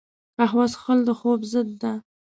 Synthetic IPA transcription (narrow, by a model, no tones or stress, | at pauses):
paɦwɑzxəld̪əxobzəd̪ːa